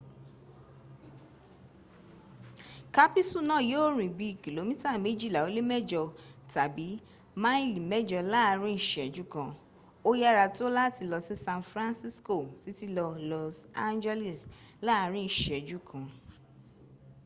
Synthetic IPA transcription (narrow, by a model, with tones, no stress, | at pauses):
ka˦pi˦su˦˨nã˦˨jo˦˨ɾ̃ĩ˨bi˧˦i˨ki˨lo˨˦mĩ˦ta˦˨mẽ˨˦d͡ʒi˦˨la˨o˨˦le˦mɛ˦d͡ʒɔ˧˨ta˨bi˨˦ | mã˦i˦˨li˨mɛ˦d͡ʒɔ˧la˦a˧ɾ̃ĩ˦i˨ʃɛ˨d͡ʒu˨˦kã˧ | o˦ja˦ɾa˧tu˦o˦la˦ti˧lɔ˧si˦sã˧nfɾã˦nsi˦sko˦˨si˨˦ti˦lɔ˧lɔ˧˨sa˧nd͡ʒɛ˦li˨s | la˦a˧ɾ̃ĩ˦i˦˨ʃɛ˨d͡ʒu˦kʰã˧